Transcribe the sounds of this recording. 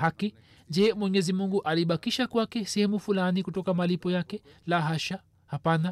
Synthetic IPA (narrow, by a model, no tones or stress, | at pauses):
haki | d͡ʒɛmwɛɲɛzimuŋɡuʔaliɓakiʃakwakɛsɛhɛmufulanikutɔkamalipɔjakɛlaɦaʃa | hapana